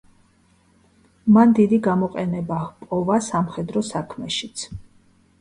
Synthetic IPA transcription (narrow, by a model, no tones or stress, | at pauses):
mand̪id̪iɡamɔqʼɛnɛbahpʼɔvasamχɛd̪ɾɔsakʰmɛʃit̪sʰ